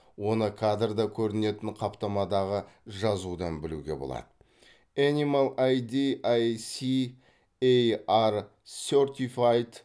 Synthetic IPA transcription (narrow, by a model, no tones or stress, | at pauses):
wo̞nəkʰad̪rd̪ɑkʲʰɵɾɪne̞t̪ɪnqʰɑpt̪ɑmɑd̪ɑʁəʒɑzud̪ɑnbɪlṵɡʲe̞̰bolˠɑ̰d̪ə | animalˠajd̪iajsi | ejar | sort̪ʲifajt̪